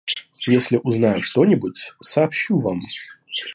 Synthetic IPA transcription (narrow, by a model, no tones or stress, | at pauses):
jesʲlʲɪʔuznajʊʂt̪o̞nʲɪbutʲsɐːpɕːuvam